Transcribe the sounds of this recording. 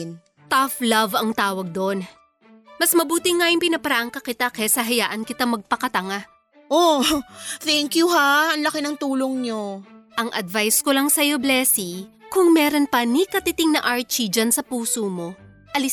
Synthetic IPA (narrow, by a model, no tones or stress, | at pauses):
n | t̪aflɐvɐŋt̪aːwɐɡ̚d̪on | mɐsmɐbuːt̪ɪŋːajɪŋpɪnɐpɐɾaʔɐŋkɐkɪt̪akɛsɐɦɐjaːʔɐnkɪt̪amɐɡ̚pɐkɐt̪ɐŋa | ʔo | t̪ɛŋkjuɦaɐŋlɐkɪnɐŋt̪uːloŋɲoʔɐŋʔɐ̰d̪vajskolɐŋsɐjoblɛːsikʊŋmɛːɾo̞npɐnikɐt̪ɪt̪ɪŋnɐʔaɹt͡ʃid͡ʒansɐpuːsoːmo̞ | ʔɐlɪ